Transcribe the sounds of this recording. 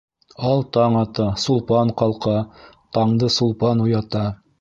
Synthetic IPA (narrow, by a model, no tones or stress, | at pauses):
ɑlˠt̪ɑɴɑt̪ɑsulˠpɑɴqɑlˠqɑ | t̪ɑɴd̪ɤsulˠpɑnujɑt̪ɑ